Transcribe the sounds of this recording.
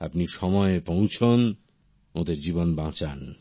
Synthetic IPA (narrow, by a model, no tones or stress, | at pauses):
a̰pniʃɔmɔepõw̃t͡ɕʰon | od̪eɾd͡ʑibonbãt͡ɕan